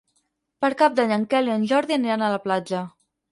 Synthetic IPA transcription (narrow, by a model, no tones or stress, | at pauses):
pəɾkap̚d̪aɲəŋkɛliənʲʒɔɾðiəniɾanələplad͡ʒə